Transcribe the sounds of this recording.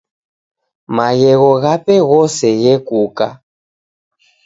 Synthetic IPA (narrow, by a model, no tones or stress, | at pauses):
maɣɛɣɔɣapɛɣɔsɛɣɛkuka